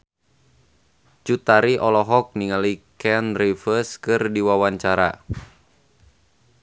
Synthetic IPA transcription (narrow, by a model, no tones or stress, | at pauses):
t͡ʃut̪aɾiʔɔlɔɦɔk̚niŋalikɛnrifəskɨrdiwawaɲt͡ʃaɾa̰